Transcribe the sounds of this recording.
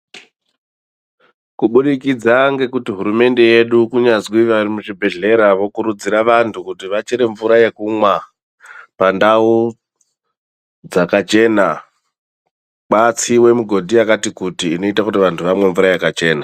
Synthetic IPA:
kuɓuɗikid͡zaŋɡe̞kutiɦuɾume̞nde̞je̞ɗukuɲazwiʋarimuʐibʱe̞ɮe̞ɾaʋo̞kuɾud͡ziɾaʋantʰukutiʋat͡ʃeɾe̞ɱvuɾaje̞kumwa | pandau | d͡zakat͡ʃe̞na | ɓat͡siwe̞muɡʱo̞dʱiakatikutiːno̞itakutiʋantʰuʋamwe̞ɱvuɾajakat͡ʃe̞ːna

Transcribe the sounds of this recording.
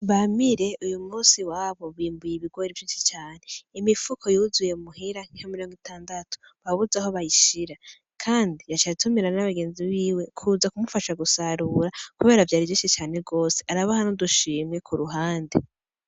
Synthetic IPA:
βamiɾe̞ʔujumuːnsiwaːβo̞βiːmbujiβiɡ̥woːɾivjiːʃi̥t͡ʃaːne̞imifukʰo̞juzujeumuhiɾaŋ̥ihamiɾoŋɡitaːndatʰu̥ | βaβuzaho̞βajiʃiɾa | kʰaːndijat͡ʃatʰumeɾanaβaɡe̞ːnziβiːwekʰuzakumufaʃaɡusaɾuɾakuβe̞ːɾavjaːɾivjiːʃit͡ʃaːneɡo̞ːse̞aɾaβahanoduʃiːmŋe̞kʰuɾuɦaːnde

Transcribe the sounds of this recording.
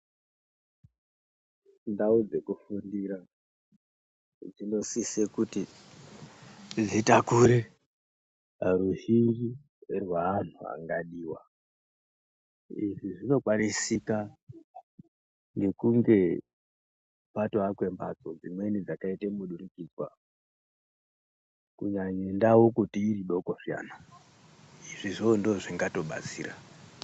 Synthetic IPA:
ndaud͡ze̞kufundiɾa | d͡zino̞sisekuti | d͡zitakuɾe | ɾuɦiŋɡi | erwaːn̤ua̰ŋɡaɗiːwa | iʐiʐino̞kwanisika | ŋɡe̞kuŋɡe̞ | pato̞akwe̞mbad͡zo̞d͡zimwe̞nid͡zakaitemuɗuɾikid͡zwa | kuɲaɲendawo̞kutiːɾiɗo̞koʂija̰ːna | iʐiʐondoʐiŋɡato̞ɓa̰t͡sḭːɾa

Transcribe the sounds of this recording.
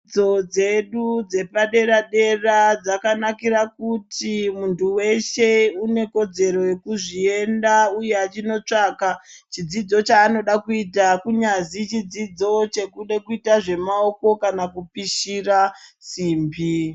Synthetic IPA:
d͡zo̞d͡ze̞ɗud͡ze̞paɗe̞ɾaɗe̞rad͡zakanakiɾakutimuntuwe̞ʃe̞une̞ko̞d͡ze̞ɾo̞jekuʐie̞ndauje̞at͡ʃino̞t͡ʂaːkat͡ʃid͡zid͡zo̞t͡ʃaːno̞ɗakuitakuɲazit͡ʃid͡zid͡zo̞t͡ʃe̞kuɗekuitaʐe̞mao̞ko̞kanakupiʃirasiːmbʱi

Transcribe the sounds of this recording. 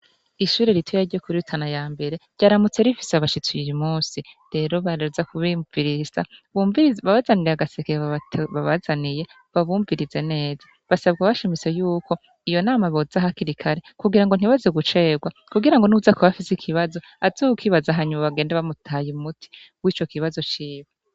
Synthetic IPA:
iʃuːɾe̞ɾitʰojaɾɟokuɾitʰanajaːmbe̞ɾe̞ɾɟaɾamut͡se̞ɾifi̥saβaʃit͡sujijimuːsi | ɾe̞ɾo̞βaɾeɾuzakʰuβiviɾiz̥a̰βviβaβazaniɾiaɡasekeββaβazanije̞ | βaβuːɱviɾize̞ne̞ːza | βasabɡaβaʃimit͡se̞juːkʰo̞ | ijo̞naːmaβo̞zaɦakiɾikʰaɾe̞kuɡiɾaŋɡo̞n̥iβazeɡut͡ʃe̞ɡwa | kuɡiɾaŋɡo̞nuzakoβafisikʰiβazo̞ | azohukʰiβazaɦaɲumaβaɡe̞ːndeβamutʰajumutʰi̥ | wiːt͡ʃo̞kiβazo̞t͡ʃiːβa

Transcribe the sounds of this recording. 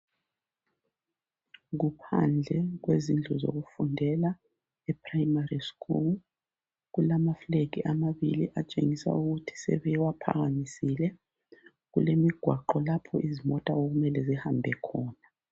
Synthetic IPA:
ɣupʰand͡ɮʱɛɣwezind͡ɮʱɔzo̰ɣufundʱɛla | ɛpʰʼrajimariskʰʼul | ɣulamaflek̬iʔamaβiliʔat͡ʃʼeŋisa̰uɣutʰi̥sɛ̰βɛwapʰa̰ɣanisilɛ | ɣulemiɡ̥ʱwaǃɔlapʰɔʔizimɔtʼaoɣumɛlɛzihambʱɛkʰɔːna

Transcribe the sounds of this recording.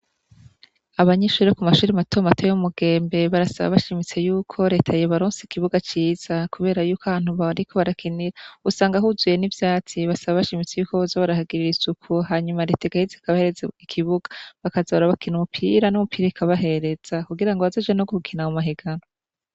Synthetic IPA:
aβaɲeʃuːɾekumaʃuːɾimatomatojojumuɡe̞ːmbe̞βaɾasa̰βa̰βaʃimit͡se̞juːkʰo̞ɾe̞ːtʰajeβaɾoːnseikiβuɡat͡ʃiːz̥akuβe̞ːɾajuːkahaːn̥huβaɾikʰo̞βaɾakʰiniɾausaːŋɡaɦuzuje̞nivjaːt͡siβasaβaβaʃimit͡se̞juːkoβozoβaɾahaɡiɾiɾisukʰuɦaːɲumaɾe̞ːtaikahizaikaβaheɾezaikʰiβuɡḁβakazaβɾaβakʰinumupʰiɾanumupʰiːɾaikʰaβaɦe̞ɾe̞z̥akuɡiɾaŋɡo̞βazod͡ʒwenoɡoukʰinaumaɦiɡaɾo

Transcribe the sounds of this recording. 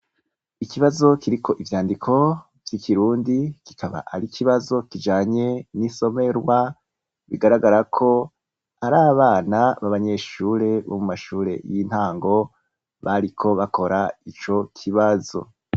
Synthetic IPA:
ikiβazo̞kiɾikʰo̞ʔivjaːndikʰo̞ | vjikiɾuːndiki̥kʰaβa̰ʔaɾikʰiβazo̞kid͡ʒaːɲe̞niso̞me̞ɾɡwa | βḭɡaɾaɡaɾakʰo̞ | aɾaːβaːnaβaβaɲe̞ʃuːɾe̞βomumaʃuːɾe̞̰jin̥haːŋɡo̞ | βaɾikʰo̞βakʰo̞ɾait͡ʃo̞kʰiβazo̞̰

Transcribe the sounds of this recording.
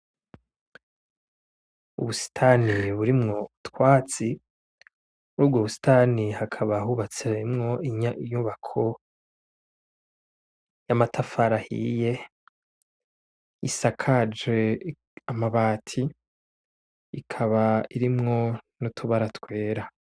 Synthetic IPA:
ṵβusi̥tʰaniβuɾimŋo̞utkwaːt͡si | uɾuːbɡoβusi̥tʰanihakʰaβahuβat͡semŋo̞iɲaɲuβakʰo̞ | jamatʰafaɾahḭje̞ | isakʰad͡ʒwe | amaβaːtʰi | kʰaβaiɾimŋo̞nutʰuβaɾatwe̞ːɾa

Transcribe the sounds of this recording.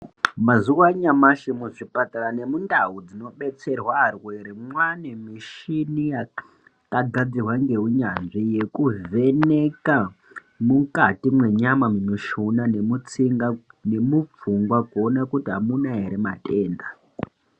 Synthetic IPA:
mazuwaɲamaʃimuʐipataɾane̞mundaɦud͡zino̞ɓe̞t͡se̞rwarweɾemwanemiʃinija | kaɡʱad͡zirwaŋɡe̞ɦuɲanʐije̞kuve̞neka | mukatimwe̞ɲamaminuʃunanemut͡siŋɡane̞mup͡fuŋɡwakuonakutiɦamunaɦeɾemateːnda

